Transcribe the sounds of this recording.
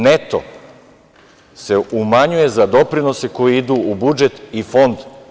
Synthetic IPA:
net̪o̰ | se̞umaɲuje̞zad̪o̞pɾino̞se̞ko̞jiid̪uːubud͡ʒe̞t̪ifo̞nd̪

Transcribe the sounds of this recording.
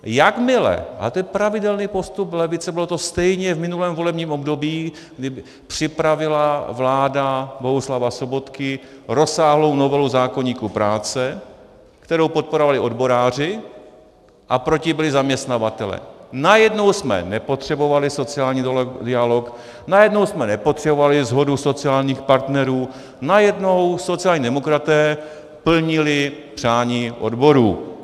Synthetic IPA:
jakmɪlɛ̰ʔa̰t̪ojɛpɾavɪdɛlniːpo̞st̪uplɛvɪt͡sɛbɪlot̪o̞st̪ɛjɲɛvmɪnulɛːmvo̞lɛbɲiːmo̞bdo̞biː | ɡdɪ | pr̝̥ɪpɾavɪlavlaːdabo̞ɦuslavaso̞bo̞t̪kɪ | ɾo̞saːɦlo̞wno̞vɛluzaːko̞ɲiːkupɾaːt͡sɛ | kt̪ɛɾowpo̞t̪̚po̞ɾovalɪʔo̞dbo̞ɾaːr̝ɪ | ʔapɾo̞cɪbɪlɪzamɲɛst̪navat̪ɛlɛ̰ːnajɛdno̞wsmɛ̰nɛpo̞t̪r̝̥ɛbo̞valɪso̞t͡sɪaːlɲiːdɪalo̞k | najɛdno̞wsmɛnɛpo̞t̪r̥ɛbovalɪzɦo̞duso̞t͡sɪaːlɲiːxpaɾt̪nɛɾuː | najɛdno̞wso̞t͡sɪaːlɲiːdɛmo̞kɾat̪ɛː | pl̩ɲɪlɪpr̝̥aːɲiːʔo̞̰dbo̞ɾuː

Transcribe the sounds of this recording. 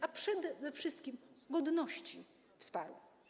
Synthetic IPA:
apʂɛd̪ɛd̪ɛfʂɘst̪kʲimɡɔd̪nɔɕt͡ɕi | fspaɾw

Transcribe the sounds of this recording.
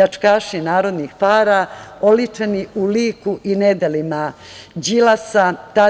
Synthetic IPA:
at͡ʂkaːʃinaːɾo̞d̪nixpaːɾaolit͡ʂeniuliːkuʔined̪elima | d͡ʑilasat̪a

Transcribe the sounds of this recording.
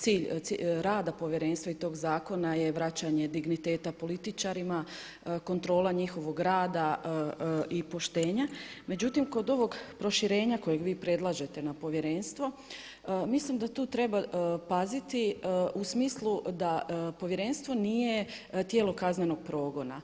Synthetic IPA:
t̪siːʎsḭɾaːd̪apo̞ʋjeɾe̞nst̪ʋait̪o̞ːɡzaːko̞naje̞ʋɾat͡ɕaɲe̞d̪iɡnit̪e̞ːt̪apo̞lit̪it͡ʃaɾima | ko̞nt̪ɾo̞ːlaɲixo̞ʋo̞ɡɾaːd̪a | ipo̞ʃt̪eːɲame̞d͡ʑut̪imko̞d̪o̞ʋo̞ɡpɾo̞ʃiɾe̞ːɲako̞jeɡʋiːpɾe̞d̪lˠaʒe̞t̪e̞napo̞ʋjeɾe̞nst̪ʋo̞ | mislimd̪at̪uːt̪ɾe̞bapazit̪iusmiːslˠud̪apo̞ʋje̞ɾe̞nst̪ʋo̞nije̞ | t̪je̞ːlo̞kazɲeno̞ɡ̥̚pɾo̞ːɡo̞na̰

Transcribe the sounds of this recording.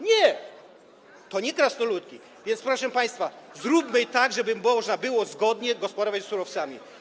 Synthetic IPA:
ɲɛ | t̪ɔɲɛkɾasnɔlut̪̚kʲi | vʲjɛnspɾɔʂɛmpaj̃st̪fazɾupmɘjt̪aɡʐɛbɘmːɔʐnabɘwɔzɡɔd̪ɲɛɡɔspɔd̪ɔvat͡ɕssuɾɔft̪samʲi

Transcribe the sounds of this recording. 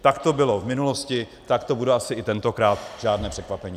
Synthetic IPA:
t̪akt̪o̞bɪlo̞vmɪnulo̞scɪ | t̪akt̪o̞budɛʔasɪʔɪt̪ɛnt̪okɾaːt̪ʒ̥aːdnɛːpr̝̥ɛkvapɛɲi

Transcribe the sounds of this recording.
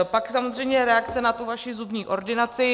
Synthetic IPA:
paksamozr̝ɛjmɲɛɾɛakt͡sɛnat̪uvaʃɪzubɲiːʔo̞ɾdɪnat͡sɪ

